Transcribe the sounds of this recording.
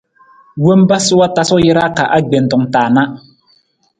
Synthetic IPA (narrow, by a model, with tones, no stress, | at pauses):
wo˦mba˦sɨ˦wa˦ta˦sɔ˦jɪ˦ɾa˦ka˨ʔa˦ɡ͡be˨n˨tɔ˨ŋtaː˨na˦